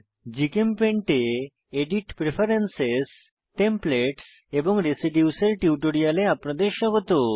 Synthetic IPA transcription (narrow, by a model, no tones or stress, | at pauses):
d͡ʑikempeɳʈe | eɖiʈpɾefʰaɾenses | ʈempleʈs | eboŋɾesiɖjuseɾʈiuʈoɾialeapnad̪eɾʃɔɡot̪o